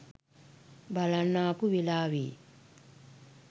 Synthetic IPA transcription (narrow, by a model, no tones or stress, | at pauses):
balanːaːpuʋilaːwḭ